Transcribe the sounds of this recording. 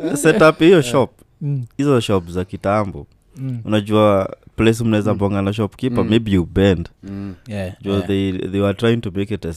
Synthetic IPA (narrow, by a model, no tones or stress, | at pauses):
sɛtaphijɔʃɔp̚ | hizɔʃɔpzakitambɔ | unad͡ʒuaplɛs̬um̩naɛzambɔŋɡanaʃ̬ɔpkipamebijubɛnd | d͡ʒuaðeðewatɾajĩŋtumekɛtɛst